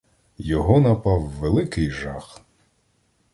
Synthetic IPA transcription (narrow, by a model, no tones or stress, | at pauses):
jɔɦɔnɐpɑwːelˠɪkɪjʒɑx